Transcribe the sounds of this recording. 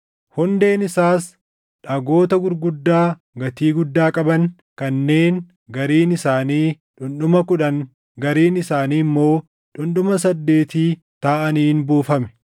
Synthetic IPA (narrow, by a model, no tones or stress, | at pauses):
hʊnd̪e̞ːnɪsaːs | ᶑɐɡo̞ːt̪ɐɡʊɾɡʊd̪ːaː | ɡɐt̪iːɡʊd̪ːaːkʼɐbɐŋ | kɐnːe̞ːn | ɡɐɾiːnɪsaːniː | ᶑʊnɗʊmɐkʊᶑɐŋ | ɡɐɾiːnɪsaːniːmːo̞ː | ᶑʊnɗʊmɐs̬ɐd̪ːe̞ːt̪iː | t̪aːʔɐniːnbuːfɐmɛ̥